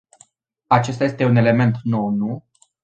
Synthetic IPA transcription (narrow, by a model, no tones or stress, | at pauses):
at͡ʃe̞s̬t̪aje̞st̪e̞une̞le̞me̞nt̪no̞wnu